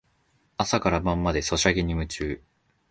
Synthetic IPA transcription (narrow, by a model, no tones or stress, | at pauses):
asakaɾamãmːad̪e̞so̞ɕaɡeɲ̟imɯ̟t͡ɕɨː